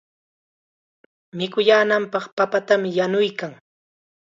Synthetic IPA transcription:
mɪkʊjaːnampɑχpapat̪amɪjanʊjkaŋ

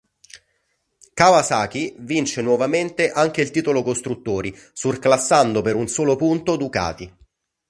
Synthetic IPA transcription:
kavasaːk̟ivint͡ʃenwɔvament̪eʔaŋk̟eilt̪iːt̪olokost̪ɾut̪ːoːɾi | surklasːand̪opeɾunsoːlopunt̪od̪uka̰ːt̪i

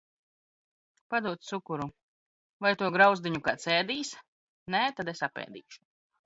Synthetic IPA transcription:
pad̪uɔt̪sukuɾu | vajt̪uɔɡɾawzd̪iɲukaːt̪sɛːd̪iːs | nɛːt̪ad̪esapɛ̰ːd̪ḭːʃu̥

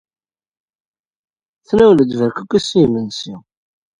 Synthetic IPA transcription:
θnæwləd̪vəɾkəkʷːæsimənsḭ

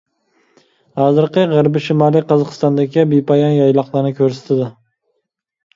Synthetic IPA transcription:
hɑːzɨɾqɨʁæɾbɪʃimɑːlˠiqʰɑzɑqʰɨ̥st̪ɑnd̪ɪkʲʰibipʰɑjɑnjɑjlˠɑqlˠɨɾnɪkʲʰøɾsɪ̥t̪ʰɪd̪ɪ

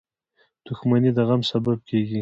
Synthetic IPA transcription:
d̪̥ʊxmanid̪əɣamsabab̚kʰeɡi

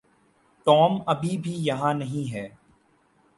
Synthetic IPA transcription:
ʈɔːmɐbʱibʱijɐɦãnɐɦĩɦɛː

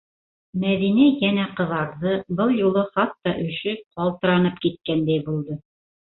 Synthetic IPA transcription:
mæðinæjænæqɤ̆ðɑɾðɤbɤlˠjulˠɤχɑt̪ːɑʔɵ̆ʃɘqɑlˠt̪ɤ̆ɾɑnɤpkit̪̚kænd̪æjbulˠd̪ɤ

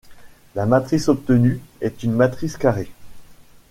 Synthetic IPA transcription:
lamat̪χisɔp̚t̪ənyɛt̪ynmat̪χiskaʁe

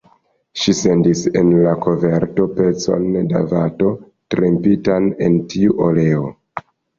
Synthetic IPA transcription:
ʃise̞ndise̞nlako̞ve̞ɾto̞pe̞t͡so̞̰nda̰vato̞ | tɾempitane̞ntiuʔole̞o

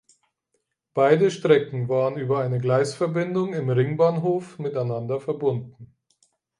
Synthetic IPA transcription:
b̥aɪdəʃtʁ̥ɛkŋ̩vaːʁənyːbɐaɪnəɡlaɪsfɛɐbɪndʊŋɪmʁɪŋbaːnɦoːfmɪtaɪnandɐfɛɐbʊndn̩

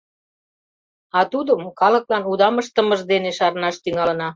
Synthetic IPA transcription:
ɑt̪ud̪əmkɑlə̆klɑnud̪ɑməʃt̪ə̆mə̆ʒd̪eneʃɑɾnɑʃt̪yŋɑlə̆nɑ

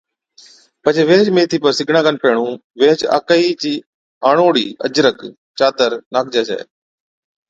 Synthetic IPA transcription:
pət͡ʃeːʋẽːt͡ʃmẽːt̪ʰiːpəɾsɪɡʱɽãːkənpeːɳũːʋẽːt͡ʃa̰ːkəiːt͡ʃiː | aːɳoːɽiːʔə̰d͡ʒɾək | t͡ʃaːt̪əɾnaːk̚ʰd͡ʒeːsɛ̰ː

